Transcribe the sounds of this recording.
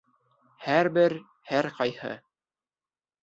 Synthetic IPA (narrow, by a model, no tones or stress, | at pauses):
hæɾbɘɾ | hæɾqɑjhɤ̰